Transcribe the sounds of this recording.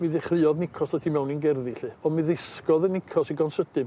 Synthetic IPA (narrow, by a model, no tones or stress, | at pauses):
mɨðɪχrɨɔðnɪkʰɔsatʰimɛwninɡɛrðiɬɨɔmɨðɪskɔðənɪkʰɔsiɡɔnsədɨb